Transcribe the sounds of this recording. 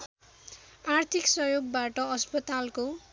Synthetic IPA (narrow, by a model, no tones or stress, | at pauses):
art̪ʰiksʌjoɡ̚baʈʌʌspʌt̪alko